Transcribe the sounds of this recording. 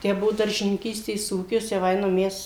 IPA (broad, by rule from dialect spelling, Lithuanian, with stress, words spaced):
ˈtʲæː ˈbʊʋoː dɐrʲʒʲɪnʲɪŋʲˈkʲiːsʲtʲeːs ˈuːkʲɪs jɛʊ ˈɐɪnɐm ˈmʲɛs